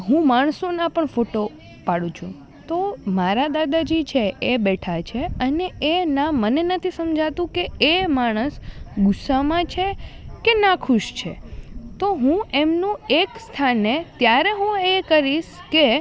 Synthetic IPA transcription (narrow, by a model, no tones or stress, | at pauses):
ɦũmaɳ̃sonapəɳfoʈo | paɽũt͡ʃʰṵ̃ | t̪omaɾad̪ad̪ad͡ʒit͡ʃʰeebɛʈʰat͡ʃʰeəneenamənenət̪ʰisəmd͡ʒʱat̪ũkeːmaɽ̃əsɡʊsamãt͡ʃʰekenakʰuʃt͡ʃʰḛt̪oɦũʔemnũekst̪ʰanet̪jaɾeɦũekəɾiʃ | ke